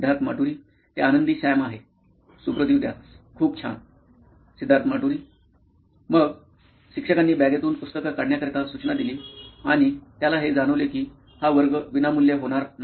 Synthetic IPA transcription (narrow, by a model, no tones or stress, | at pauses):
sid̪ʱːaɾt̪ʰəmaʈuɾiː | t̪eanənd̪iːɕajmaɦe | supɾəd̪id̪ja̰ | kʰuːp̚t͡ɕʰa̰n | sid̪ʱːaɾt̪əmaʈuɾiː | məɡ | ɕikʂəkanːiːbaɡet̪uːnpust̪əkəkaɽnjakəɾk̪asut͡ɕnad̪iliːaɽ̃it̪jalaɦed͡zaɽ̃əʋlekiː | haʋəɾɡʋinamulːjeɦoɽ̃aɾna